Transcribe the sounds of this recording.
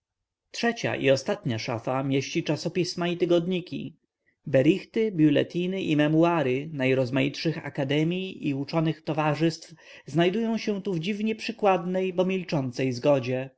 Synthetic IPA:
tʂɛt͡ɕa̰ʔḭɔst̪at̪ɲaʂafamʲjeɕt͡ɕit͡ʂasɔpʲismait̪ɘɡɔd̪ɲikʲḭ | bɛɾixt̪ɘbʲjulɛ̰t̪inɘʔimɛmuaɾɘnajɾɔzmajitʂɘxa̰kad̪ɛmʲjiiut͡ʂɔnɘxt̪ɔvaʐɘst̪f | znajd̪ujɔ̃w̃ɕɛ̃t̪uvd͡ʑivɲɛpʂɘkwad̪nɛjbɔmʲilt͡ʂɔnt̪sɛjzɡɔd͡ʑɛ

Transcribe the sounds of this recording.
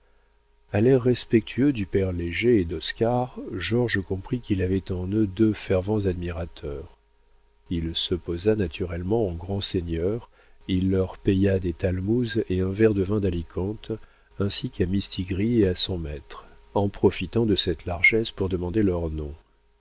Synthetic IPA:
alɛʁːɛspɛk̚t̪ʰyød̪ypɛʁleʒeːd̪ɔskaʁʒɔʁʒəkɔ̃pχikilavɛt̪ɑ̃nød̪øfɛʁvɑ̃zad̪miʁat̪ʰœʁ | ilsəpozanat̪yʁɛlmɑ̃ɑ̃ɡʁɑ̃seɲjœʁ | ilːœʁpejad̪et̪almuzeɛ̃vɛʁd̪əvɛ̃d̪alikʰɑ̃t̪ | ɛ̃sikamist̪ʰiɡʁieasɔ̃mɛt̪χɑ̃pχɔfit̪ɑ̃d̪əsɛt̪laʁʒɛspuʁd̪əmɑ̃d̪elœʁnɔ̃

